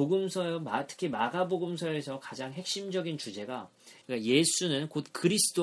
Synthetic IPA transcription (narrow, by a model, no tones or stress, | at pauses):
oɡɯmsʰʌmatʰɯ̥kʰimaɡaboɡɯmsʰʌe̞sʰʌkad͡ʑaŋɦe̞k̚ɕ͈imd͡ʑʌɡint͡ɕud͡ʑe̞ɡa | ɯk͈aje̞sʰunɯnkot̚kɯɾisʰɯ̥d͈o